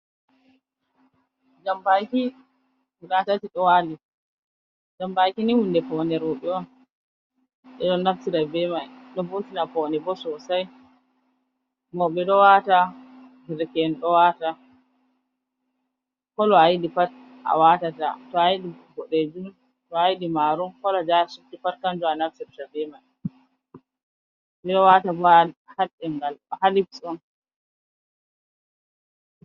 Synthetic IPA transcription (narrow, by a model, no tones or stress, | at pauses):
d͡ʒambajki | wuɾatatiɗɔwali | d͡ʒambajkiniwundɛpɔnɛɾɔɓɛwan | ɗɛɗɔnaftiɾabɛmajɗɔbotinapɔnɛbɔsɔsaj | mɔɓɛɗɔwata | ɡiɾkɛnɗɔwata | kɔlɔajiɗifa | a̰watata̰tɔajiɗiɡɔɗed͡ʒum | tɔajiɗimaːɾumkɔlɔd͡ʒasutːifaɾkand͡ʒuanafsɛɾtadɛman | bɛɗɔwatabɔahalɛŋɡalhalibsɔn